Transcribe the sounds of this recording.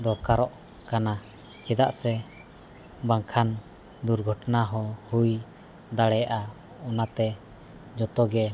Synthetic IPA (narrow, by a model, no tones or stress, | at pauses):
d̪ɔkaɾɔʔ | kana | t͡ʃɛd̪a̰ʔsɛ | baŋkʰan | d̪uɾɡʱɔʈnaɦɔhuj | d̪aɽɛʔa | ɔnat̪ɛ | d͡ʒɔt̪ɔɡɛ